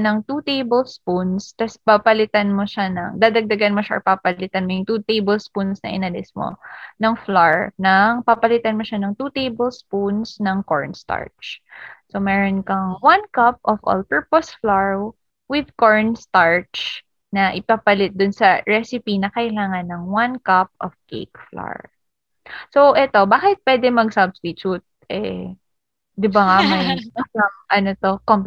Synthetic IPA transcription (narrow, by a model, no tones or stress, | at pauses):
nɐŋt̪ut̪ejbɛlspunst̪ɐspapɐlɪt̪ɐnmoʃanɐ̰ŋd̪aːd̪ɐɡ̚d̪ɐɡɐnmoʃaʔɐ̰papɐlɪt̪ɐnmojʊŋt̪ut̪ejbɛlspunsnɐ̰ʔɪ̰nɐlɪsmo̰nɐŋflaɹnɐŋpapɐlɪt̪ɐnmoʃanɐŋt̪ut̪ejbɛlspunsnɐŋko̰ɹnst̪a̰ɹt͡ʃsomɛːɾonkɐŋwankɐp̚ʔɔfʔo̰lpɛɹposflaɹw | wɪd̪̚koɹnst̪aɹt͡ʃ | nɐʔɪpapɐlɪt̪̚d̪ʊnsɐɹɛsɪpinɐkɐʔɪlaːŋɐnːɐŋwankap̚ɔfkḛjkfla̰ɹ | soʔɛt̪o̞baːkɪt̪̚pwɛd̪ɛmɐɡsɐbst̪ɪt͡ʃut̪̚ʔɛ̰ | d̪ɪbaŋamɐjɐɐŋʔɐnot̪o̞kom